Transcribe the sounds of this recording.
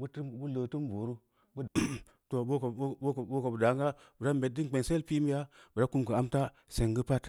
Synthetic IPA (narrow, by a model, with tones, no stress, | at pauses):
bu˦tu˦bu˦lə˨tu˦mbo˨ɾu˦ | bu˦ | to˨bu˦kkbo˦ka˨bu˨da˨˦ŋɡa˦ | bu˨ɾa˦mbe˨t̚di˦˨k͡pe˨nse˦lpi˦mi˦ja˦bu˨ɾa˦ku˦mkə˨a˦mta˦ | se˨ŋɡi˦pa˦t